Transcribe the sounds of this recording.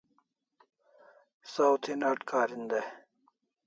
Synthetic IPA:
sawt̪ʰinaʈkʰaːɾind̪e

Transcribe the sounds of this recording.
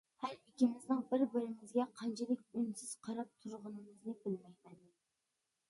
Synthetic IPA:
hæɾikʲimɪznɪŋbɪɾbɪɾɪmɪzɡʲɛqʰɑnt͡ʃʰilɪkʲynsɪz̥qʰɑɾɑp̚t̪ʰuɾʁʊnɨmɨznɪbɪlmɛjmɛnɪ

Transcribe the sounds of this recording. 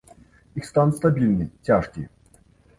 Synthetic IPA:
ixst̪anʊt̪st̪abʲilʲnʲɨjtʲaʂkʲḭj

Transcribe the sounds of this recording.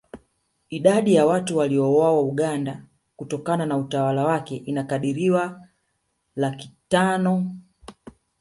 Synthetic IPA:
iɗaɗijawatuwaliɔwawauɠanda | kutɔkananautawalawakɛʔinakaɗiɾiwa | lakitanɔ

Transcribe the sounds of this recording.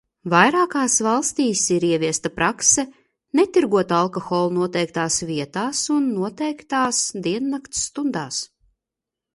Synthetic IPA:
vajɾaːkaːsvalˠst̪iːsiɾiɛvʲiɛst̪apɾaksɛ | net̪iɾɡuɔt̪alˠkɔxɔːlˠnuɔt̪ɛjkt̪aːsviɛt̪aːsunːuɔt̪ɛjkt̪aːsd̪iɛnːakt̪sːt̪und̪aːs

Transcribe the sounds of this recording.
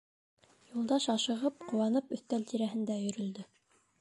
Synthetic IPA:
julˠd̪ɑʃɑʃɤ̆ʁɤp̚qŏwɑnɤpɵ̆θt̪ælt̪iɾæɦɘ̆nd̪æjɵ̆ɾɵ̆ld̪ɘ

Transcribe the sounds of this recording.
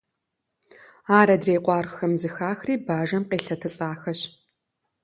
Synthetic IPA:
aːɾɐdreːqʷʼɑːrxɐmzɨxaːxriːbaːʒɐmqeːɬɐtʰɨɬʼaːxɐɕ

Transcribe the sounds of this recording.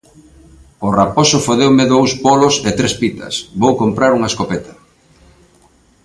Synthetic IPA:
ʊraposʊfoðewmɪðowspɔloset̪ɾespit̪ɐ̰sβowkompɾaɾuŋɐeskopet̪ɐ̥

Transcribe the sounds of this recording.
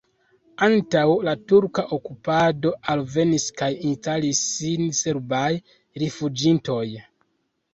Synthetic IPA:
antawlatuɾkaʔokupado̞ʔalve̞niskajinstalisːinse̞ɾbaj | ɾefud͡ʒinto̞j

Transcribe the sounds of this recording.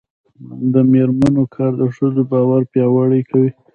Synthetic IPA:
d̪əmeɾmanokʰɑɾd̪əʂəzobɑwaɾpjɑwaɽəjkʰawi

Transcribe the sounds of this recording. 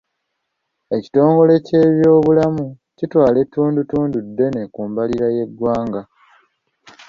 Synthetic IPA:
e̞ci̥to̞ːŋɡo̞le̞ce̞ːβjo̞ːβulamu | citwaːle̞tːuːndutuːndudːe̞ne̞kuːmbaliɾaje̞ɡwaːŋɡa

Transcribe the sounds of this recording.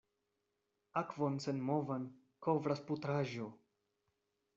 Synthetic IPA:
akvonsenmovan | kovɾasput̪ɾaʒo

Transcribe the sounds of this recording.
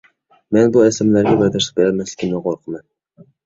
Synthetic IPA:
menbʊasamlaɾɡʲabaɾd̪aɾʃɪ̥q̚beɾalmaslɪkʲʰɪmnɪqʰoɾqʰɨman

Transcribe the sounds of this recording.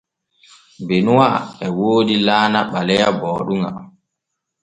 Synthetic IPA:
benuwaɛwoːdilaːnaɓalɛjabɔːɗuŋa̰

